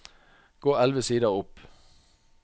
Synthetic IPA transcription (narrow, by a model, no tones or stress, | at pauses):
ɡ̥oːælʋəsiːd̪ɑʊp